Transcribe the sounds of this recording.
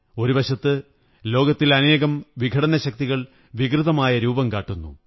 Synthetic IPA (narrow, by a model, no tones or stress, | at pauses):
o̞ɾubɐɕɐt̪ːɨ | lo̞ːɡɐt̪ːilɐne̞ːɣɐmʋiɡʱɐɽɐnɐɕɐk̚t̪iɣɐɭ | ʋikrɨðɐmaːjɐɾuːbɐmkaːʈːunːṵ